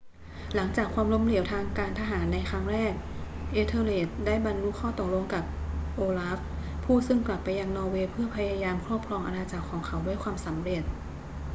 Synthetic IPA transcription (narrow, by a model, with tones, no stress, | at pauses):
la˩˦ŋt͡ɕaː˨˩kʰwaː˧mlo˧˥mli˨˩˦wt̪ʰaː˧ŋkaː˧nt̪ʰa˧ɦaː˩˦nːa˧jxʰa˦˥ŋɾɛː˥˩k̚ | ʔeː˧t̪ʰɤː˧leː˨˩t̪̚daː˥˩jba˧nlu˦˥kʰːɔː˥˩t̪o˨˩k̚lo˧ŋkaː˨˩p̚ʔoː˧laː˦˥f | pʰːuː˥˩sɯ˥˩ŋkla˨˩pːa˧jːa˧ŋnɔː˧weː˧pʰɯ˥˩ɐpʰa˧jaː˧jaː˧mkʰɾɔː˥˩p̚kʰlɔː˧ŋʔa̰˧naː˧t͡ɕa˨˩kʰːɔː˩˦ŋkʰa˨˩˦wdu˥˩əjkʰwaː˧msa˩˦mɾe˨˩t̪̚